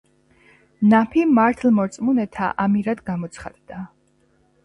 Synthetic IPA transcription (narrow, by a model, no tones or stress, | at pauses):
napʰimaɾt̪ʰlˠmɔɾt̪sʼmunɛt̪ʰa̰ʔamiɾad̪ɡamɔt̪sʰχa̰d̪̥d̪a